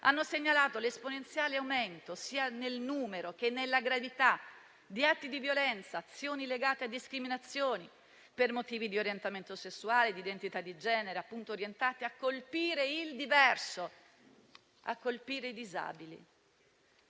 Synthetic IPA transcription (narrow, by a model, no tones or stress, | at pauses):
ʔanːoseɲːalaːt̪olesponent̪sjaːleawment̪osiːanelnuːmeɾok̟enːelːaɡɾavit̪a | d̪iat̪ːid̪ivjolɛnt̪saːt̪sːjoːnileɡaːt̪ead̪iskɾiminat̪sːjoːni | permot̪iːvid̪ioɾjent̪ament̪osesːuaːled̪id̪ent̪it̪ad̪ːid͡ʒɛːneɾeapːunt̪oːɾjent̪aːt̪eakːolpiːɾeild̪ivɛrso | a̰kːolpiːɾeid̪iza̰ːbilḭ